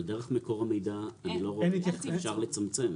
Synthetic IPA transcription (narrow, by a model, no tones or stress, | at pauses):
ld̪eʁeχmekoʁame̞jd̪aːnilo̞ʁeffʃaʁlet͡samt͡sem